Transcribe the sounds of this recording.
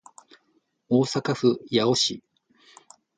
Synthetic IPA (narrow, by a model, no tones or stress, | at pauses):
oːsakaɸɯ̟jao̞ɕi